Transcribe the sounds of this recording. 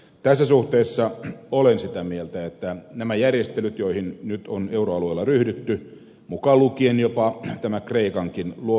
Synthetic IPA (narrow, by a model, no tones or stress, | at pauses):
t̪æsːæsuht̪eːsːɑolensit̪æmielt̪æet̪ːænæmæjærjest̪elyt̪joihinnyt̪oneuroɑlueːlːɑryhdyt̪ːy | mukɑlukienjopɑt̪æmækreikɑŋkinluo